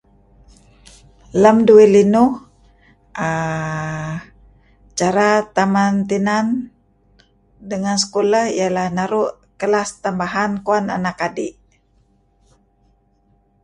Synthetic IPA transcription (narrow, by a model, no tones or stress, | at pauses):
ləmduilinuh | ʔə | t͡ʃaɾat̪amant̪inan | dəŋansə̥koləhijalahnaɾuʔ | kəlast̪ambaɦankuana̰nakadiʔ